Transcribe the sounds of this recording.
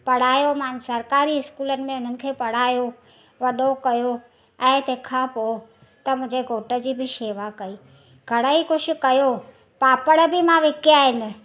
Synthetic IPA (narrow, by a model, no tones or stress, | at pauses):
pɐɽ̤aːjomãːnsɐɾkaːɾiɪskuːlənɪ̆mẽʊn̤ənɪ̆kʰeːpɐɽ̤aːjo | ʋɐɗokɐjo | ɛ̃ːt̪eːkʰãpo | t̪ɐmʊ̃ɦɪ̃d͡ʑeɡʱoːʈə̆d͡ʑiːbɪʃeːʋakɐiː | ɡʱɐɽ̃əixʊʃʊ̆kɐjo | paːpəɽ̃əbɪmãʋɪkjaːɦɪnɪ̆